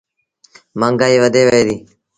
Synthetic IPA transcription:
məŋɡaːiːʋəd̪eːʋəeːd̪iː

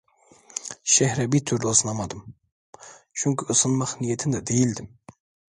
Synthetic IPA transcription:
ʃɛhɾɛbit̪ʰyɾlˠosɨnɑmɑd̪ɯm | t͡ʃʰuŋkʲʰiɯsɨnmɑχnijɛt̪ʰɪnd̪ɛd̪ejild̪ɪm

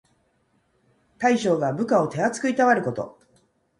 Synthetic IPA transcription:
t̪aiɕo̞ːɡabɯ̟kao̞t̪e̞at͡sɨ̥kɯ̟it̪aβaɾɯ̟ko̞t̪o̞̰

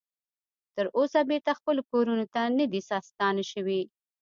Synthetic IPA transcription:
t̪əɾʔosabeɾt̪axpəlokoɾunot̪anəd̪isɑst̪ɑnʃəwi

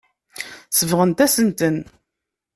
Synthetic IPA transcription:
səvʁənt̪æsənt̪ən

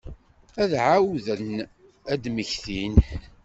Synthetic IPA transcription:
æðʕawðən | æd̪məçθin

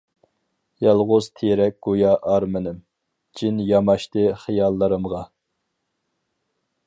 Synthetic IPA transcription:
jɑlˠʁʊz̥t̪ʰeɾɛk̚ʲɡ̥ojɑʔːɾmɪnɪm | d͡ʒinjɑmɑʃt̪ɨχijɑlˠːɨɾɨmʁɑ

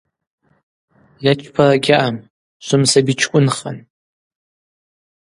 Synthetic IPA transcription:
jat͡ʃʷʰʼpʰaraɡʲaʔam | ʃʷʊmsabit͡ʃʰkʷʼʊnχa̰n

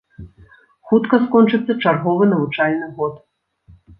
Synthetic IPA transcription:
xut̪kɐskɔnt͡ʂɨt̪sːɐt͡ʂarɣɔvɨnɐvut͡ʂalʲnɨɣɔt̪

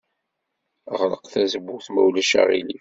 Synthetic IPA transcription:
ʁɾəqθæzəbːuθmæwlæʃæ̰ʁḭli

